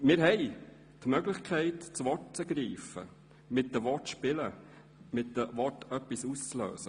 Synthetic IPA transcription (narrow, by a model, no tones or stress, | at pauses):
mɪɾɦɛɪ | t̪mœɡlɪχkʰɛɪtt͡sʋɔt̚t͡səɡɾiːfə̰ | mɪt̚dəʋɔtʃpɪlə | mɪt̚dəvɔtœpːisust͡slø̰ːsə